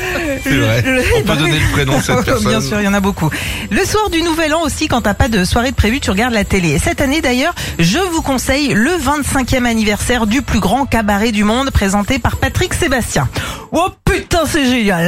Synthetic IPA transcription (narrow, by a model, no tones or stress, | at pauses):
ɛvʁɛpød̪ɔneləχenɔsɛbjɛ̃syʁljɑ̃nabokuləswaʁd̪ynuvɛlɑ̃osikɑ̃t̪apad̪əswaʁeəpχevyt̪yʁəɡaʁd̪lat̪elesɛt̪aned̪ajœːʁʒəvukɔ̃sɛjləvɛ̃t̪sɛ̃kʲjɛmanivɛʁsɛʁd̪yplyɡʁɑ̃kabaʁed̪ymɔ̃d̪pχezɑ̃t̪epaʁpat̪χiksebast̪jɛ̃opyt̪ɛ̃sɛʒeɲjal